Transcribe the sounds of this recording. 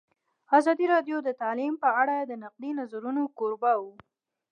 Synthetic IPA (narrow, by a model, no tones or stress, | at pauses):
azɑd̪iɾɑd̪jod̪ət̪alimpəaɽad̪ənaq̚d̪inazaɾunokoɾbawu